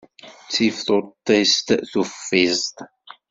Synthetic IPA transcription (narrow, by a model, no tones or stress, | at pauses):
t͡sːifθoɾt̪ːest̪θufːizt̪